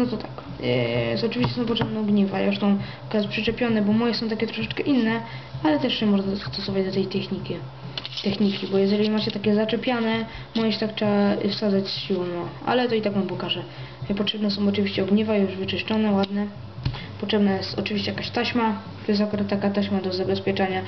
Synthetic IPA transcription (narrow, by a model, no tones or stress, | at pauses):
nɔt̪ɔt̪ak | sɔt͡ʂɨvʲiɕt͡ɕɛsɔ̃w̃p̬ɔtʂɛbnɔ̃w̃ɡɲɛvajʔuʂt̪ɔ̃w̃ | kaspʂɛt͡ʂɛpʲjɔnɛbɔmɔjɛsɔ̃w̃t̪akʲɛt̪ɾɔʂɛt͡ʂkɛʔinːɛ | alɛt̪ɛʂɕɛmɔʐnast̪ɔsɔvad͡ʑd̪ɔt̪ɛjt̪ɛxɲikʲi | t̪ɛxɲikʲibɔjɛʐɛlʲimat͡ɕɛt̪akʲɛzat͡ʂɛpʲjanɛ | mɔjɛɕɛt̪akt͡ʂɛafsad̪at͡ɕsɕiwɔwnɔʔa̰lɛt̪ɔit̪akmampɔkaʐɛ | pɔtʂɛbnɛsɔ̃w̃ɔt͡ʂɨvʲiɕt͡ɕɛɔɡɲɛvajuʐvɘt͡ʂɨʂt͡ʂɔnɛwad̪nɛ | pɔtʂɛbnajɛst̪ɔt͡ʂɨvʲiɕt͡ɕɛjakaɕt̪aɕma | t̪ɔjɛs̬t̪akuɾat̪ːakatt̪ːaɕmad̪ɔzabɛspʲjɛt͡ʂaɲa